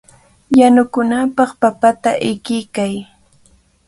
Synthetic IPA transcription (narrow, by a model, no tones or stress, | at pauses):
janʊkʊnapɑχpapat̪aʔɪkɪkaj